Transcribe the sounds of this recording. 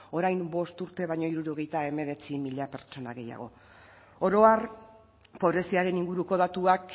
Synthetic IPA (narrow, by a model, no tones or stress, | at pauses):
o̞ɾajmbo̞st̪uɾt̪e̞βajɲo̞iɾuɾo̞ɣe̞jt̪ae̞me̞ɾe̞t͡simiʎape̞ɾt͡ʃo̞na̰ɣe̞ja̰ɣ̞o̞̰ | o̞ɾo̞ar | po̞β̞ɾe̞siaɾe̞niŋɡuɾuko̞ð̞at̪uak